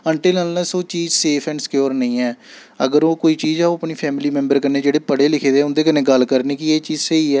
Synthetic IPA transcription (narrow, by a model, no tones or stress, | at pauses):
əɳʈeːlənlnɛːsoːt͡ʃiːzseːpʰɛ̃ːɳɖskjoːɾnəĩːɛː | əɡəɾoːkoːiːt͡ʃiːzɛːoəpniːpʰɛːmliːmɛ̃ːmbəɾkəneːd͡ʒeːɽeːpəɽeːlɪkʰeːd̪eːʊnd̪eːk̬ənẽːɡəlkəɾniːkɪeːt͡ʃiːzsəiːɛː